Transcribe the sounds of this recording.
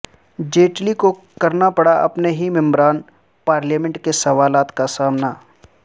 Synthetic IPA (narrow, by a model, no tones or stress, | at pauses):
d͡ʒeːʈliko | kɐɾnapɐɽaʔɐ̰pneɦimɛ̃mbɾaːn | paːɾljaːmɛ̃ɳʈkesɐʋaːlaːt̪kasaːmna